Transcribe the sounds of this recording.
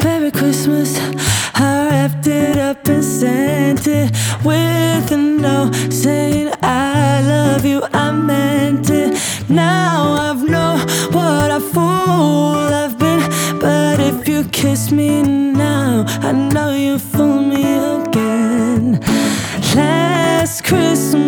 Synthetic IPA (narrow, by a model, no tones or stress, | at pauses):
b̥ɛɹikʰɹ̥ɪsməs | haɛftɪɾʌpɨ̃nsɛ̃ntʰɪwɪðɨnoʊseɪɪ̃ŋalʌvjɨʔãɪmɛntʰɪ | naʊaɪvnoʊwʌɾaɪfɔ | lavbi | b̥ʌɾɪfjɨkʰɪsminaʊaɪnoʊjɨfilˠmiəɡ̥ɛn | læskʰɹ̥ɪs